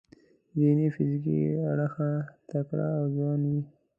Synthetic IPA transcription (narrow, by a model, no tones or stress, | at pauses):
d̪inifɪzk̬ḭaɽaxat̪akɽa̰ːwzwɑnwi